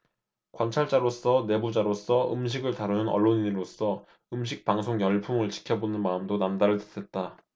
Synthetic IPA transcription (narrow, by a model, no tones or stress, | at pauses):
kwant͡ɕʰaɭt͡ɕ͈aɾos͈ʰʌne̞bud͡ʑaɾos͈ʰʌʔɯ̰mɕ̬ʰiɡɯɭtaɾɯnɯnʌ̰ɭːoɲiniɾos͈ʰʌ | ɯmɕ̬ʰik̚p͈aŋsʰoŋjʌɭpʰuŋɯɭt͡ɕʰi̥kʰjʌbonɯnmaɯmdonamdaɾɯɭte̥tʰet̚t͈a